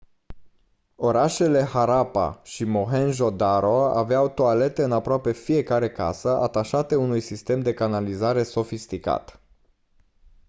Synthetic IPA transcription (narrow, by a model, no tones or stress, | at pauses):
o̞ɾaʃe̞le̞haɾapa̰ʃimo̞ɦenʒo̞d̪aɾoaaveawt̪oale̞t̪e̞ɨnapɾoape̞fije̞kaɾe̞ka̰səʔat̪aʃat̪e̞unujsist̪e̞md̪e̞kanalizaɾe̞so̞fist̪ika̰t̪